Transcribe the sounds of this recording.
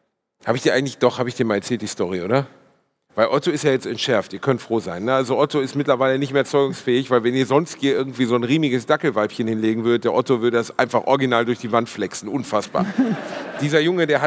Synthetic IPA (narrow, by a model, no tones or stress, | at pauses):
haːbəɪçd̥iɐaɪɡŋ̩tlɪçd̥ɔχhaːbəɪçd̥iːɐmaːlɛɐt͡sɛːlt̚d̥iːstɔʁiʔoːdɐ | vaɪlʔɔtoɪstjaːjɛt͡stɛntʃɛɐftiːɐkʰœntfʁ̥oːzaɪnːəʔalzoʔɔtoɪstmɪtlɐvaɪlənɪçtmeːɐt͡sɔʏɡʊŋsfɛːɪçv̥aɪlvɛniːɐzɔnsthiːɐɪɐɡŋ̩tv̥iːzoːnʁiːmɪɡəsd̥akl̩vaɪpçənhɪnleːɡŋ̩vʏɐɾət̚d̥eːɐʔɔtovʏɐɾədasʔa̰ɪ̃nfaχʔɔ̰ɐɡinaːldʊɐçd̥iːvantflɛksn̩ʔʊnfasb̥a̰ːd̥iːzɐjʊŋədeːɐɦa